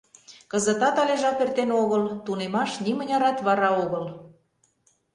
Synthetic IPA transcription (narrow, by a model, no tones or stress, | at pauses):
kə̆zət̪ɑt̪ɑleʒɑpert̪enoɣɤlt̪unemɑʃnimənʲɑɾɑt̪βɑɾɑoɣɤl